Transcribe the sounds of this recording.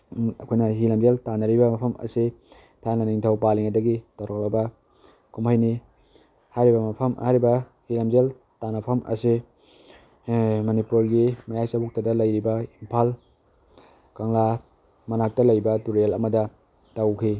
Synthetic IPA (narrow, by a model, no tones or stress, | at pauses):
ɐkʰojnɐɦilɐmzeltanɐɾibɐmɐpʰɐmɐ̰si | tʰanɐniŋtʰawpaliŋɐdɐɡitɐwɾak̚lɐbɐ | kʰumhajni | hajɾibɐmɐpʰɐmhajɾibɐ | hilɐmzel | tanɐpʰɐmʔɐ̰si | mɐnipuɾɡimɐjajsɐbuk̚tɐdɐlɐjɾibɐimpʰal | kɐŋla | mɐnak̚tɐlɐjbɐtuɾelɐ̰mɐdɐ | tawkʰi